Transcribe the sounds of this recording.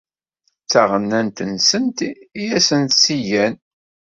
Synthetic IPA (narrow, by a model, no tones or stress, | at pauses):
t͡sːæʁənːænt̪ənsənt̪ijæsənt̪sijæn